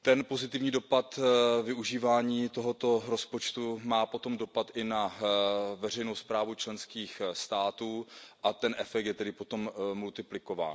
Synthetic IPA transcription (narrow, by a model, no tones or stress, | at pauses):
t̪ɛnpo̞zɪt̪ɪvɲiːdo̞pat̪vɪuʒiːvaːɲiːt̪o̞ɦo̞t̪o̞ɾo̞spo̞t͡ʃt̪umaːpo̞t̪o̞mdo̞pat̪ʔɪna | vɛr̝ɛjnowspɾaːvut͡ʃlɛnskiːxst̪aːt̪uːʔat̪ɛnʔɛfɛk̚t̪jɛt̪ɛdɪpo̞t̪o̞mmult̪ɪplɪko̞va̰ːn